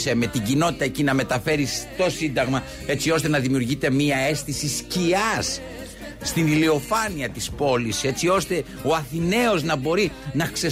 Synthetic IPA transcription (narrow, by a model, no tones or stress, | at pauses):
seme̞t̪iɟino̞t̪i̥t̪ɐecinɐme̞t̪ɐfe̞ɾist̪o̞sind̪ɐɣmɐ | e̞t͡sio̞st̪e̞nɐðimiuɾʝit̪e̞miɐe̞st̪isisciɐsː | t̪inilio̞fɐniɐt̪ispo̞lise̞t͡sio̞st̪e̞ | o̞ɐθine̞o̞znɐbo̞ɾinɐkse̞